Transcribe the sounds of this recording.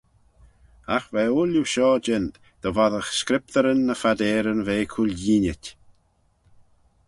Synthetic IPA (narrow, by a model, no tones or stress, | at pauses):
axvɛːʊluʃɔːd͡ʒɪn | d̪̥ɔvaðəxskɾɪp̚t̪əɾənːəfad̪ɛːɾənveːkʰulʲjiːnʲɪtʲ